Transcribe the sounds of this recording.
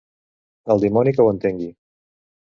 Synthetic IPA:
əlˠd̪imɔnikəwənt̪eŋɡi

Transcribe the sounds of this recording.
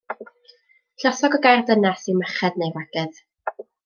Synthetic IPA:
ɬɔsɔɡɔɡajrdənasiməχɛdnejvaɡ̥ɛð

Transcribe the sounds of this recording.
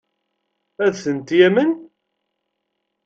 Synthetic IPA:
æðθənt̪jæmən

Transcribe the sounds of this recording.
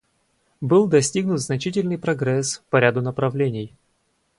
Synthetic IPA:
bɨlˠd̪ɐsʲtʲiɡnʊt̪znɐt͡ɕitʲɪlʲnɨjpɾɐɡɾɛspɐɾʲad̪ʊnəpɾɐvlʲenʲɪj

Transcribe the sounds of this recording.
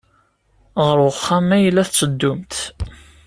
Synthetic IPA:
ʁəɾʊχːamæjəlːæθt͡sːəd̪ːʊmt̪

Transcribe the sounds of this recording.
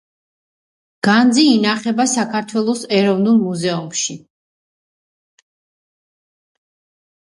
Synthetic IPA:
ɡ̥and̪ziːnaχɛbasakʰaɾt̪ʰwɛlˠɔsɛɾɔvnulˠmuzɛumʃi

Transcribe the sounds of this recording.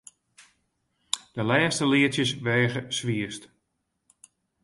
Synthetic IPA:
d̥əlɛːstəlɪətjəsʋeːɣəsʋiəst

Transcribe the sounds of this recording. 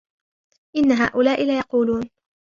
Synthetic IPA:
ʔɪnːaɦaːʔʊlaːʔɪlaːjɑquːluːn

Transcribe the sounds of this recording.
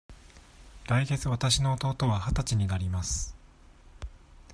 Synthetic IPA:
ɾaiɡe̞t͡sɨβat̪aɕino̞ːt̪o̞ːt̪o̞βahat̪at͡ɕiɲ̟inaɾʲimasɨ̥

